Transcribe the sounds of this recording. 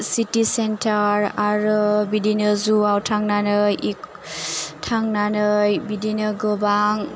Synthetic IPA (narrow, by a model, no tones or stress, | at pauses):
sitisentʰaɹaɾɔbidinɯzuawtʰaŋnanɯjik | tʰaŋnanɯjbidinɯɡɯbaŋ